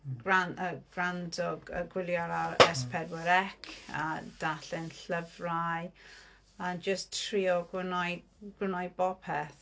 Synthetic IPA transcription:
ɡranəɡ̥randɔɡəɡwɪlˠjaɾaɾɛspʰɛdwɛɾɛkʰa̰d̥aɬɪnɬəvraj | and͡ʒəstʰriɔɡwɪnɔjɡ̥wɪnɔjbɔpʰɛθ

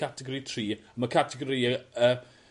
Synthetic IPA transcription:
atʰɛɡɔɾitʰriːaməkʰatʰɛɡɔɾiəə

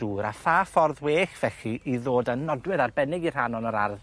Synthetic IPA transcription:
uːɾaθafɔrðweːɬv̥ɛɬiʔiðoːdənːɔdwɨɾarbɛnɪɡirhanɔnɔɾarð

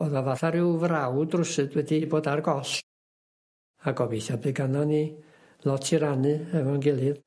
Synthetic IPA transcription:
ɔðavaθaɾɪwvrawdrʊsɨdwɛdiboːdarɡɔɬ | aɡɔbejθjabɨɡanɔni | lˠɔtʰiɾanɨɛvɔnɡɪlˠɨð

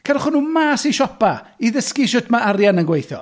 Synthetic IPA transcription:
kʰɛrχʊnuːmaːsiʃɔpaiðəskiʃʊdmaʔarjanənɡwejθjɔ̰

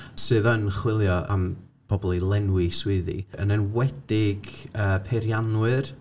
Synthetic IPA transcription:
sɨːðənχwɪlˠjɔʔa̰m | b̥ɔbɔlˠilˠɛnwiswɪðḭənənwɛd̥ɪɡəːpʰɛɾjanwɨr

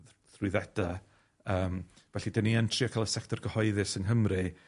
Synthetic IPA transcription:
ðrwɪðɛd̥a | əːm | vɛɬidaniɛntʰrɨakʰalˠəsɛk̚tʰɔrɡəhɔɨðɨsənɦəmrɨ

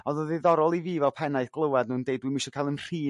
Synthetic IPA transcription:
ɔðəðiðɔɾɔlˠiviːvɛlˠpʰɛnaɨθɡ̥lˠəwadnuːndejdwimɪʃɔkʰalˠənr̥iː

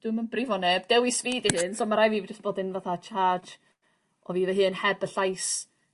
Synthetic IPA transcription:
d̥wɨmənbrivɔnɛb̥d̥ɛwisviːdihɨːnsomaɾajviːvd͡ʒastb̥oːdɪnvaθat͡ʃʰaːd͡ʒ | ɔviːvɛɦɨːnhɛbəɬajs

